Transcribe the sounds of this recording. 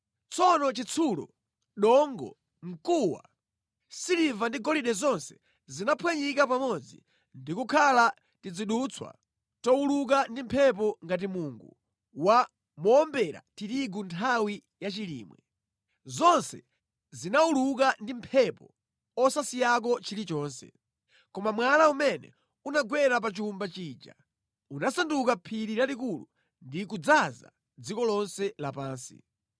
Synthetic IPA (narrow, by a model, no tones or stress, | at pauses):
t͡sʰɔnɔt͡ʃit͡sʰulɔ̰ | ɗɔŋɡɔ̰ | ŋ̩kuwa̰ | silivandiɡɔliɗɛzɔnsɛ̥ | zinapʰwɛɲikapamɔd͡zḭ | ndikukʰala | tid͡ziɗut͡sʰwa̰ | tɔuluk̬andim̩pʰɛp̬ɔŋɡat̬imuːŋɡu | wa | mɔːmbɛɾa̰titiɡuntʰawi | jat͡ʃilḭːmwɛ | zɔnsɛ | zinauluk̬andim̩pʰɛpɔ | ɔsasijak̬ɔt͡ʃiɾit͡ʃɔːnsɛ̰ | kɔmamwalaumɛnɛ̰ | unaɡwɛɾap̬at͡ʃumbat͡ʃiːd͡ʒa̰ | unasandukapʰiɾiɾalikulu | ndik̬ud͡zaza̰ | d͡zikɔlɔnsɛlapaːnsḭ